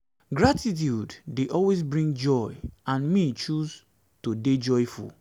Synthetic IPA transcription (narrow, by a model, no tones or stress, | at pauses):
ɡɹatʰit̬judːeʔɔlwesbɹĩŋɡd͡ʒɔɪãnmit͡ʃuz | toded͡ʒɔjfṵl